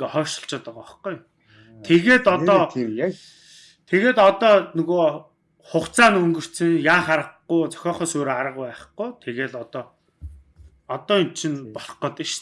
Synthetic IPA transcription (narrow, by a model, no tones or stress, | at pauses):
χɔːʃə̆ɬt͡ɕɔːt̪ə̆qɔχɡuj | t̪ʰeɣeːt̪ɔt̪ɔː | t̪ʰeɣeːt̪ɔt̪ɔːnɵɣoː | χʊχt͡sʰaːnɵŋɡɵ̆r̥t̪sɘ̆ŋjaːχaɾə̆χʊjt͡sœ̥xʲɔːχœːsoːɾeaɾə̆qʊpæːχɡujt̪ʰeɣeːt̪ɔt̪ɔː | ɔt̪ɔːint͡ɕʰinpɔɮ̆qɞ̆t̪iʃ